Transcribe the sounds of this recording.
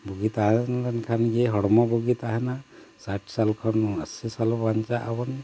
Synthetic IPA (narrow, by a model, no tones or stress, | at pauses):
buɡit̪aɦɛndankʰanɡeɦɔɽɔmɔbuɡit̪aɦɛna | saʈʰsalkʰɔnəsisalɔbaɲt͡ʃaʔabɔn